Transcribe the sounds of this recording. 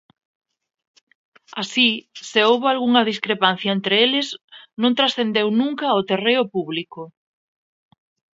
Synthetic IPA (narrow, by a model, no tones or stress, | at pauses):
asiseowβoalɣuŋɐðiskɾepan̟θjaent̪ɾeelɪznõŋt̪ɾasθend̪ewnũŋkɐot̪ereʊpuβliko